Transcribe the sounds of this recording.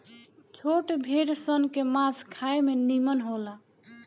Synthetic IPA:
t͡ʃʰoʈbʱeɾsənkemãskʰaemenimənɦola

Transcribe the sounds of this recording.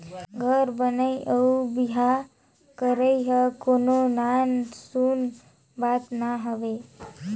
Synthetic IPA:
ɡʱəɾbənəiʔəubiɦa | kəɾəiɦəkononansun | bat̪naɦəʋe

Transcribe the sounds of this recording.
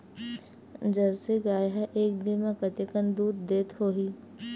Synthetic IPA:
d͡ʒəɾseɡaːjɦɛʔeːk̚d̪ɪnmãkət̪əkənd̪uːd̪d̪eːt̪ɦoːɦiː

